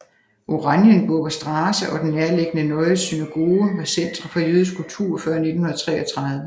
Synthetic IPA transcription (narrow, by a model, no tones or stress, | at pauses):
ʔo̝ʁɑ̈njənb̥ɔ̽ɡ̥ɐsd̥ʁɑːsəʔɒ̽d̥en̩ːeɐleɡ̥ənənɒ̽ɪsynæɡ̥o̝ːʋesen̰d̥ʁɐfɒjøːð̞ˠskʰult͡sʰuɐ̰fɶɐne̝d̥n̩hunðɐt͡sʰʁɛ̰ːɒt͡sʰʁɑ̈ðˠʋə